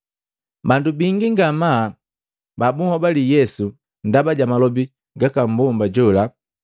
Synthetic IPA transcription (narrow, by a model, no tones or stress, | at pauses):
bandubiŋɡiŋɡama | babuhɔbalijɛsu | ndabaɟamalɔbi | ɡakam̩bɔmbaɟɔla